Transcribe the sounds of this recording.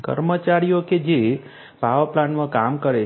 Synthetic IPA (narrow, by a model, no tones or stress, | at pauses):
kə̰ɾmət͡ʃaɾijoked͡ʒe | paʋplanmãkamkəɾe